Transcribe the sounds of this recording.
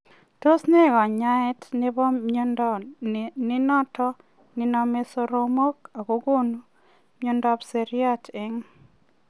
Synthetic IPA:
to˦sne˦˨ɡɔ˨ɲa˦ɪ˦tnɪ˦bɔ˦ | nɪ˦nɔ˦tɔ˦ | nɪ˨nɔ˦me˦so˦ɾo˦mo˦ka˨ko˦ɡo˦nu˦ | mjo˦ndɔ˦pse˨ɾja˦tɪ˦ŋ

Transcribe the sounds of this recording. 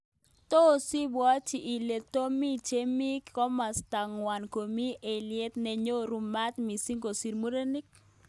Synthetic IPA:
to˦˨si˦bwa˦t͡ʃi˨ʔi˨le˨t̪o˦mi˦t͡ʃe˦mi˦kkɔ˦ma˨sta˨ŋwa˨nko˨mi˦ʔe˨ljɛ˦t̪nɛ˨ɲo˦ɾu˨ma˦t̪mi˨si˦ŋɡo˨si˨ɾmu˦ɾe˦ni˦k̚

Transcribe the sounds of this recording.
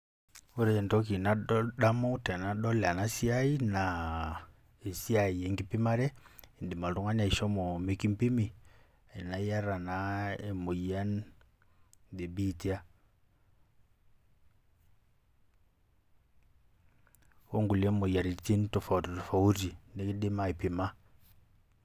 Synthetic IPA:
u˦ɾɛ˨ntɔ˦ki˨na˦ɗa˦mɔ˦tɛ˨na˦ɗɔ˦la˨na˦si˦a˦i˦na˨ | e˨si˦a˨i˨ɛ˨ŋɡi˦pi˦ma˦ɾɛ˦i˨ndi˨ma˨lu˦ŋa˦na˨i˨ʃɔ˦mɔ˨mi˦ki˦mpi˦mi˨ | ɛ˨na˨ja˦ɾa˨na˨ɛ˨mo˨ja˦n | de˨bi˦tja˦ | o˦ŋɡu˨le˦mo˨ja˨ɾi˨t͡si˦ntu˨fa˨ttu˨fa˨u˦ɾi˨nde˦ki˦di˦ma˦i˨pi˨ma˦

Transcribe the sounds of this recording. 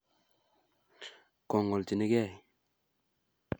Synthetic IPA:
ko˨ŋo˨lti˨ni˦kɛ˦˨

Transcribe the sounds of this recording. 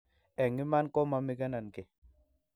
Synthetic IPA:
ɛ˨ŋi˦ma˦nkɔ˦ma˧mi˦ɡa˦na˨nke˨

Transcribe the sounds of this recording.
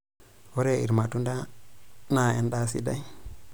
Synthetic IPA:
wo˦ɾe˦ḭ˨ɾma˨tu˦nda˦na˨e˦nda˦sḭ˦da˦j

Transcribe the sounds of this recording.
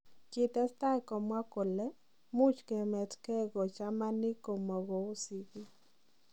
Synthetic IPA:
kɪ˨t̪ɛ˦st̪a˦˨kɔ˨mwa˦ko˨lɛ˦ | mʊ˦t͡ʃkɛ˨mɛ˨tkɛ˦ɡɔ˨t͡ʃa˦ma˦nɪ˦ko˨mɔ˨ɡɔ˨o˦si˨ki˦

